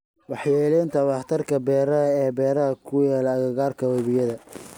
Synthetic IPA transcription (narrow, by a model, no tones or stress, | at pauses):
wɑħjɛːlɛːnt̪ʰɐwɑht̪ʰɐrkʰɐbɛːɾɐɐɛːbɛːɾɐɦɐkʰʊjɛːlɐɣɐɣaːrkʰɐwɛβɪjɐðɐ